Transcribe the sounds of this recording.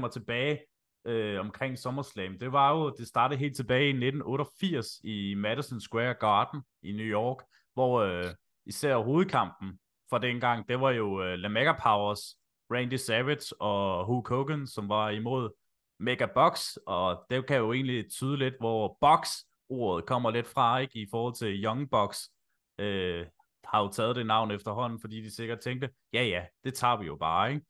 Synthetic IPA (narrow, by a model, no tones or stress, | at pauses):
mɐt͡sʰe̝b̥ɛːɪ | øɒ̽mkʰʁɛŋ̰sɒ̽mɐslɛmd̥e̝ʋɑ̈jo̝d̥e̝sd̥ɑ̈ːɾ̥ð̩ˠe̝̰ːlt͡sʰe̝b̥ɛːɪine̝d̥n̩ɔ̽ːɾɐfiɐ̰simæɾ̥əsɒnsɡ̥weɐɡ̥ɑ̈ːd̥n̩ | inujɒːɡ̥ | ʋɒø | isæɐ̰ɦo̝ːð̞̩ˠkʰɑ̈m̰b̥n̩ | fɒ̽d̥enɡ̥ɑ̈ŋ̰d̥eʋɑ̈jo̝ølæmeɡ̥æpʰɑ̈ʊɐs | ʁɛnd̥isæʋed̥sɒ̽ɦukʰoɡ̥ənsɒ̽mʋɑ̈imo̝ð̞̰ˠ | meɡ̥æb̥ɒɡ̥sɒ̽d̥ekʰæjoe̝̰ːnlit͡sʰyːð̞ˠəle̝d̥ʋɒb̥ɒ̽ɡ̥s | o̝ːɐð̞̩ˠkʰɒ̽m̰ɐle̝d̥fʁɑ̈e̝ɡ̥ifɒːhɒ̽l̰t͡sʰe̝ljɒ̽ŋb̥ɒ̽ɡ̥s | ø | hɑ̈jo̝t͡sʰɛːð̩ˠd̥e̝nɑ̈ʊ̰n̩efd̥ɐɦɒ̽n̰n̩fɒ̽d̥ḭːd̥ise̝ɡ̥ɐd̥̚t͡sʰeŋɡd̥ə | jæjæd̥e̝t͡sʰɑ̰̈ːʋijo̝b̥ɑ̈ːeɡ̥